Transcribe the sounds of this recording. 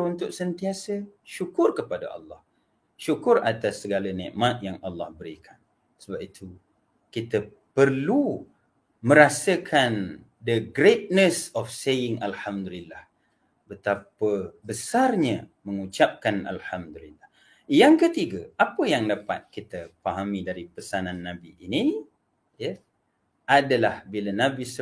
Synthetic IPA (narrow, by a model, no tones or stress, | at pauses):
unt̪ʊk̚sənt̪iasəʃukʊrkəpada̰ʔɑ̰lːɑh | ʃukʊra̰t̪asːəɡalanɛ̰̃ʔmat̪̚jaŋʔɑlːɑhbəɾikʰan | səbap̚it̪ʰu | kit̪ə | pərlu | mə̃ɾasəkʰan | dəɡɾet̪̚nəsɔfsejɪŋʔalhamd̪ulilːah | bət̪apəbəsarɲaməŋut͡ʃap̚kana̰lhamd̪ulilːah | jaŋkət̪iɡaʔapəjaŋdapa̰t̪̚kit̪əpaɦamidaɾipəsanãnːãbiʔːni | jə | ʔadalahbilanabisə